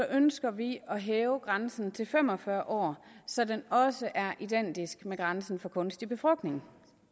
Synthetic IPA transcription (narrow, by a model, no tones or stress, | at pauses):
sɒ̽ʔønsɡ̥ɐʋiɒ̽ɦɛːʊəɡ̥ʁansn̩t͡sʰe̝lfem̰ɒ̽fɶɐʔɒ̰ːsɒ̽denɒ̽səʔæɐʔid̥en̰d̥isɡ̥meɡ̥ʁɑ̈nsn̩fɒ̽kʰɔ̽nsd̥ib̥e̝fʁɒlɡ̥ne̝ŋ